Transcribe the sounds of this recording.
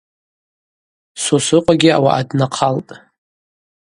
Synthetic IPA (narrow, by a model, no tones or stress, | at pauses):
sosɨqʷʼaɡʲɪa̰wa̰ʔadnaqʰaltʼ